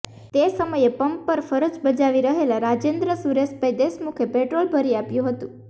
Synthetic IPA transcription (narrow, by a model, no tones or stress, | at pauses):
t̪esəməjepəmpːəɾfəɾəd͡ʒbəd͡ʒaʋiɾəɦelaɾad͡ʒend̪ɾəsuɾesbʱəjd̪esmukʰepeʈɾolbʱəɾiapjũɦət̪ũ